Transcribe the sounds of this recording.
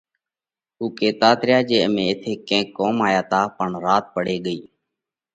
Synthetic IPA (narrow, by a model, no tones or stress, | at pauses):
ɦuːkeːt̪aːt̪ɾɪjaːd͡ʒeːmẽːɪt̪ʰeːkẽːkːoːmaːjaːt̪ʰaːpəɳɾaːt̪̚pəɽeːɠəiː